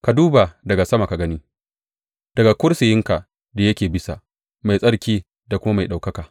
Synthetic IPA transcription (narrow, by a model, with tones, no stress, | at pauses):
ka˨duː˦ba˨dɐ˨ɡa˨sɐ˦ma˨ka˨ɡɐ˦ni˦ | d̥ɐ˨ɡa˨kʷʊ˦ɾsɪ˨jɪ˦ŋka˨ | da˨jɐ˦kʲeː˨bɪ˦sa̰˨ | ma˨jsʼɐ˦ɽkʲiː˦ | da˨kʷʊ˦ma˦ma˨jɗa˨wkɐ˦kaː˨